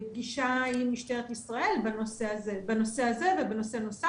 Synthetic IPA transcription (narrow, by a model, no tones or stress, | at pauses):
b̚ɡiʃaimːiʃt̪aeet̪isʁaʔe̞lbanoseazebano̞se̞aze̞vebeno̞se̞no̞sa